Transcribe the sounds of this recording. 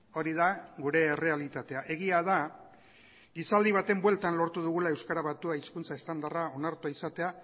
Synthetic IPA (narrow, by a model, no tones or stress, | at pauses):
o̞ɾiðaɣuɾe̞ːre̞alit̪at̪e̞aʔe̞ɣiaða | ɡisald̪iβ̞at̪e̞mbwe̞lt̪anlo̞ɾt̪uð̞uɣ̞ulae̞wskaɾaβat̪uaiskunt͡sae̞st̪and̪arao̞naɾt̪uaisat̪e̞a